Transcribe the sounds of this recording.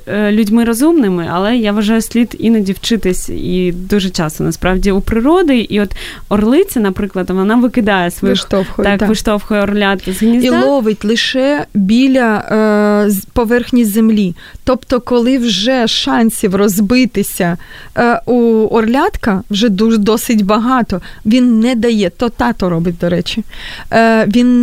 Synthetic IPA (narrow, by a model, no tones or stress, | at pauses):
lʲudʲmɪɾɔzumnɪmɪɐ̰lˠɛjaʋɐʒɑjʊsʲlʲid̪inɐdʲiwt͡ʃɪt̪ɪsʲid̪uʒɛt͡ʃɑst̪ɔnɐspɾɑʋdʲiupɾɪɾɔd̪ɪʔiɔt̪ | ɔrlˠɪt͡sʲɐnɐpɾɪklˠɐd̪ʋɔnɑʋɪkɪd̪ɑjɛsʋʃt̪ɔfxɔt̪ɑk̪ʋɪʃt̪ɔwxɔjɛɔrlʲat̪zɦnʲizilˠɔʋɪtʲlˠɪʃɛbʲilʲɐ | pɔʋɛrxnʲijzemlʲi | t̪ɔpt̪ɔkɔlˠɪwʒɛʃɑnʲsʲiwrɔzbɪt̪ɪsʲɐ | uɔrlʲat̪kɐwʒɛd̪ud̪ɔsɪtʲbɐɦɑt̪ɔʋʲinːɛd̪ɐjɛt̪ɔt̪ɑt̪ɔɾɔbɪt̚ʲd̪ɔɾɛt͡ʃʲi | ʋʲin